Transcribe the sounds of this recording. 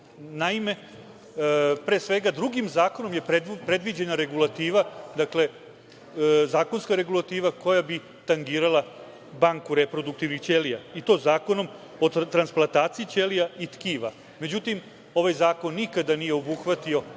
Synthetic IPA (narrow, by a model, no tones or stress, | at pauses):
naime̞ | pɾeːsʋe̞ɡad̪ɾuɡimzaːko̞no̞mje̞pepɾe̞d̪ʋid͡ʑenaɾe̞ɡulˠat̪iːʋad̪akle̞ | zaːko̞nskaɾe̞ɡulˠat̪iːʋako̞jabi | t̪aŋɡiːɾala | baŋkuɾepɾo̞d̪uk̚t̪iʋnixt͡ʃelijait̪o̞ːzaːko̞no̞m | o̞t̪ɾansplˠant̪aːt̪siit͡ʃelijait̪kiːʋa | me̞d͡ʑut̪im | o̞ʋajzaːko̞nːikad̪anijeo̞buxʋat̪io̞